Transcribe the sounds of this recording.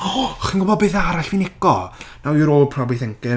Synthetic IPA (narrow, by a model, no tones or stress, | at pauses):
ɔχinɡʊbɔd̚beθaɾaɬvinɪkɔnawuɾoːlˠpʰrɔbiθɛŋkɪ